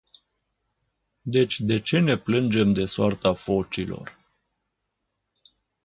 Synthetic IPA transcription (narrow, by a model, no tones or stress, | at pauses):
d̪e̞t͡ʃʲd̪e̞t͡ʃe̞ne̞plɨnd͡ʒe̞md̪e̞soart̪afo̞t͡ʃilo̞̰r